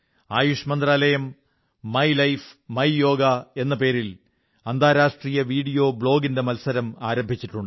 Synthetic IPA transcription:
aːjuʂɐmɐnd̪ɾraːlɐjɐmː | ɐjlɐjfmɐjjo̞ːɡɐe̞nːɐpe̞ːɾil | ɐnd̪ʱaːɾaːʂʈriːjɐʋiːɽijo̞ːbɭo̞ːɡinde̞mɐlsɐɾɐmaːɾɐmbʱit͡ɕːiʈːuɳɖɨ

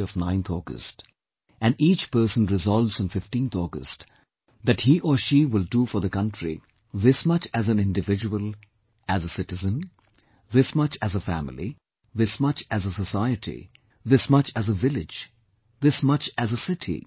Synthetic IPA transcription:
ʌvnãɪ̃nt̪ʰɔɡə̰st | æ̃nɖiːt͡ʃpɜ˞sə̃nɹɪzɔlˠvz̃nfɪfʈĩːnt̪ʰɔɡə̰st | d̪æʈhiʔɔʃiwɪlˠdufɔ˞ðəkʌ̃ntʰɹḭ | ðɪsmʌt͡ʃæzɨ̃nɪ̃ndɨvɪd͡ʒəwəlˠ | æzəsɪtɨzə̃n | ðɪsmʌt͡ʃæzəfæ̰mɪ̰lḭ | ðɪsmʌt͡ʃæzəsəsaɪɨtʰḭ | ðɪsmʌt͡ʃæzəvɪlɪd͡ʒ | ðɪsmʌt͡ʃæzəsɪtʰḭ

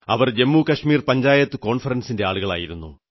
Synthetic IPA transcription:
ɐ̰ʋɐrd͡ʑemːuːkɐʂmiːrpɐɲd͡ʑaːjɐt̪ːɨko̞ːɳfɐrɐnsinde̞aːɭuɣɐɭa̰ːjiɾunːṵ

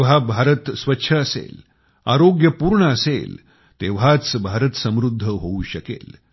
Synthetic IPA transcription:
ʋɦabʱaɾət̪sʋətːɕʰəːsḛl | a̰ɾoɡjəpuːɾɳəːsḛl | t̪eʋɦat͡sbʱaɾət̪səmɾud̪ʱːəɦouɕəkḛl

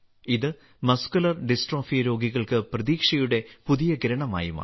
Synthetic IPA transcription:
iðɨ | mɐskulɐrɖisʈro̞ːfijɐɾo̞ːɡiɣɐɭkɨprɐðiːkʂɐjuɽe̞puðijɐɡɾɐɳɐma̰ːjuma̰ː

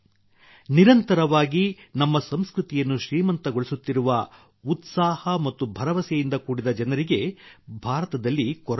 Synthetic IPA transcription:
niɾɐnt̪ɐɾɐʋaːɡinɐmːɐsɐmskɾut̪ijɐnːuʃɾiːmɐnt̪ɐɡo̞ɭisut̪ːiɾuʋɐ | ut̪saːhɐmɐt̪ːubʱɐɾɐʋɐsɛjind̪ɐkuːɽid̪ɐd͡ʒɐnɐɾiɡe̞bʱaːɾɐt̪ɐd̪ɐlːikɔɾ

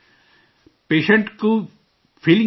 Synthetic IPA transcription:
peːʃɐɳʈku | fʰilĩ

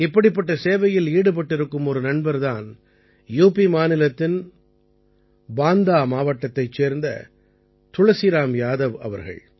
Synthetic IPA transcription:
ɪpːɐɽɪpːɐʈːɐseːʋɐjɪliːɽɯp̬ɐʈːɪɾɯkːɯmɔɾɯnɐɳbɐɾðaːn | juːpimaːnɪlɐt̪ːɪn | baːnd̪aːmaːʋɐʈːɐt̪ːɐɪt͡ʃːeːɾnd̪ɐ̰ | t̪ʊɻɐsɪɾaːmjaːðɐʋɐ̰ʋɐɾɣɐ̰ɭ

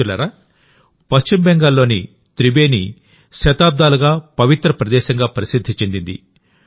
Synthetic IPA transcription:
ulɐ̰ɾa | pɐst͡ʃimbɛŋɡaːlːo̞ːni | t̪ɾibe̞ːni | ʃɐt̪aːb̚d̪aːluɡaːpɐʋit̪ɾɐpɾɐd̪ɛːʃɐŋɡaːpɐɾisid̪ʱːit͡ʃend̪ind̪ḭ

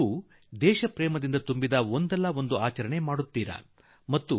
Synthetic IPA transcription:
u | d̪ɛːʃɐpɾɛːmɐd̪ind̪ɐt̪umbid̪ɐond̪ɛlːɐo̞nd̪uaːt͡ʃɐɾɐɳe̞maːɽut̪ːiːɾɐ̰ | mɐt̪ːu

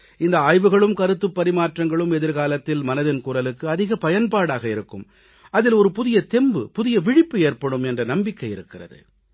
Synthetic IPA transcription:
ɪnd̪ɐaːjʋɯɣɐɭɯmkɐɾɯt̪ːɯpːɐɾɪmaːʈrɐŋɡɐɭɯmɛðɪɾɣaːlɐt̪ːɪlmɐnɐðɪnkuːɾɐlɯkːɯɐðɪɣɐpɐjɐnpaːɽaːɣɐɪɾɯkːɯm | ɐðɪlɔɾɯpʊðɪjɐt̪ɛmbɯpʊðɪjɐʋɪɽɪpːɯeːrpɐɽɯmɛndrɐnɐmbɪkːɐɪɪɾɯkːɪrɐ̰ðɯ̰

